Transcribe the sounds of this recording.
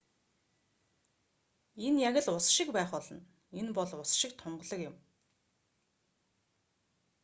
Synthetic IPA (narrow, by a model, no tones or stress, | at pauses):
enjaɣʲɘ̆ɮʊsʃɪ̆kpæːχɔɮɞ̆n | enpɔɮʊsʃɪ̆kt̪ʰʊɴɢɞ̆ɮɞ̆kjʊ̆m